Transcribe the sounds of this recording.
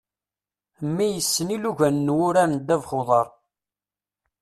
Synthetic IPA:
mːijəsːəniluʝænːwʊɾænd̪ævχoðˤɑɾˤ

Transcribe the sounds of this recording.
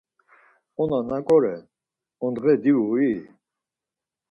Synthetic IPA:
ɔnanakʼɔɾɛ | ɔnd̪ʁɛd̪iui

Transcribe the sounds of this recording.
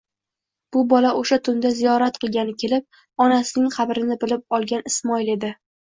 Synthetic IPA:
b̥ʊbɒlaʔoʃat̪ʰʊnd̪azijɒɾat̪̚qɨlˠɡʲanɪkʲʰe̞lɪp̚ | ɒnasɪnɪŋqʰɑbɾɪnɪbɪlɪp̚ɒlˠɡʲanɪsmɒɪle̞d̪ɪ

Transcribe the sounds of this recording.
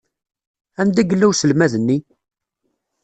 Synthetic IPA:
ænd̪æɡəlːæwsəlmæðənːi

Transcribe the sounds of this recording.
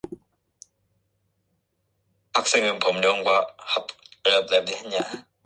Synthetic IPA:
ak̚s͈eŋɯnpʌmɲʌŋɡwahapɯɭap̚ladiɦenɲa

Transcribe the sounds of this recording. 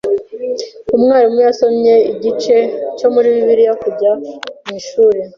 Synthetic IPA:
umŋaːɾimujaso̞mɲe̞iɟit͡ʃe̞co̞muɾiβiβiɾijakuɟamiːʃuːɾe

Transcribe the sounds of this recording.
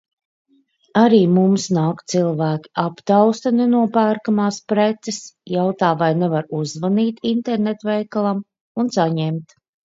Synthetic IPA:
aɾiːmumsnaːkt̪silˠvæːkʲi̥ʔapt̪awst̪anenuɔpæːɾkamaːspɾet̪sɛsjawt̪aːvajnɛvaɾuzvaniːt̪int̪eɾnet̪vɛjkalˠam | unsaɲɛmt̪

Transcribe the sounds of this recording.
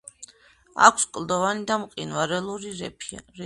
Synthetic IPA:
a̰kʰskʼld̪ɔvanid̪amqʼinvaɾɛlˠuɾiɾ

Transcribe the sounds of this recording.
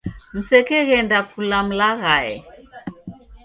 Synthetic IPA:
m̩sɛkɛɣɛndakulam̩laɣaɛ̰

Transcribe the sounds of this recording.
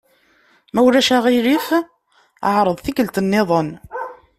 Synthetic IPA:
mæwɾæʃæʁiɾif | ə̰ʕɾˤəðˤθikəlt̪ənːɪðˤən

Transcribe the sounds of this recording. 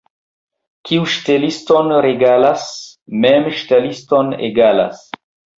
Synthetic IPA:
kʰiuʃtelistonɾeɡalasmemʃtelistonḛɡala̰s

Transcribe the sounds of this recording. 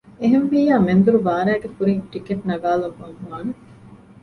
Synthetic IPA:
eɦenʋiːjaːmend̪uɾuʋaːɾæːɡekuɾiŋʈikeʈnɐɡaːlɐkɐnhuaːne

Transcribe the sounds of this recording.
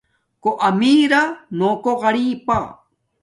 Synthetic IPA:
koʔamiːɾanokoɢɑɾiːpa

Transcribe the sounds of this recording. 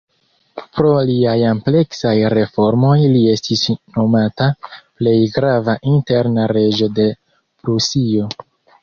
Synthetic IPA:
pɾo̞liajample̞ksajɾe̞fo̞ɾmo̞jlie̞stisno̞mataple̞jɡɾavaʔinte̞ɾnaɾe̞d͡ʒo̞de̞ | bɾusio̞

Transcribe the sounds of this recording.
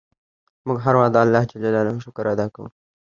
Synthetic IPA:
mʊɡɦaɾwad̪ɑːlːɑhd͡ʒad͡ʒalalahʃʊkɾad̪ɑkawṵ

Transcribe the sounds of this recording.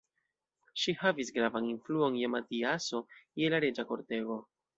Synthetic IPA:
ʃihavisɡɾavaninfluo̞njematiaso̞kelaɾe̞d͡ʒako̞ɾte̞ɡo̞

